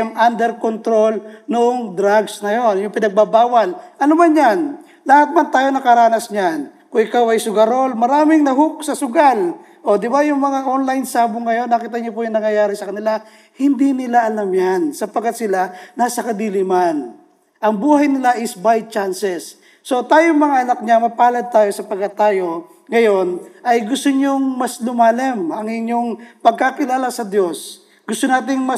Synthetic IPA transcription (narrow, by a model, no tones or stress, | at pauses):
mʔand̪ɛɾkont̪ɾo̞lnʊʔoŋd̪ɾaɡsnɐjo̞njʊŋpɪnɐɡ̚babaːwɐlʔɐlomanɲan | lahɐt̪̚mɐnt̪aːjo̞nɐkɐɾaːnɐsɲan | kʊŋʔɪkawɐjsʊɡɐɾo̞lmɐɾaːmɪŋnɐɦʊk̚sɐsʊɡal | ʔo̞d̪ɪbajʊŋmɐŋaʔonlajnsaːbʊŋːɐjo̞nːɐkiːt̪̬ɐɲopʊjʊŋnɐŋjɐjaːɾɪsɐkɐnɪla | hɪnd̪inɪlaʔɐlamjansɐpɐɡkːat̪̚sɪlanaːsɐkɐd̪iːlɪman | ʔɐŋbuːhɐjnɪlaʔɪsbaj̚t͡ʃansɛsː | o̞t̪aːjoŋmɐŋaʔɐnɐk̚ɲamɐpaːlɐd̪̚t̪aːjo̞sɐpɐɡ̚kːɐt̪aːjo̞ | ŋɐjo̞nʔɐjɡʊst̪oɲoŋmɐslʊmaːlɛmɐŋɪɲjo̞ŋpɐɡ̚kakɪlaːlasɐd̪jo̞s | ɡ̥ʊst̪onaːt̪̬ɪŋmɐ